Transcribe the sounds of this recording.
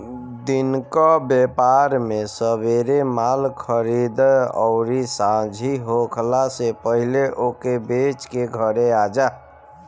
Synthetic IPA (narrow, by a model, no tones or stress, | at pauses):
d̪inkabjepaɾmesəbeɾemalkʰəɾid̪əɔ̰ʊɾisãd͡ʒʱiɦokʰlasepəɦɪleʔokebet͡ʃkeɡʱəɾead͡ʒa